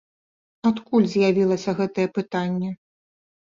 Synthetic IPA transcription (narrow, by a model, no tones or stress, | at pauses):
at̪kulʲzʲjavʲilˠɐsʲɐɣɛt̪ɐjɛpɨt̪anʲːɛ